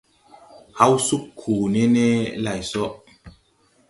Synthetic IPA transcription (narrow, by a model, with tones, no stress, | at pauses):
ha˦wsu˦kʰːuː˨ne˦ne˦la˨jsɔ˦ʔ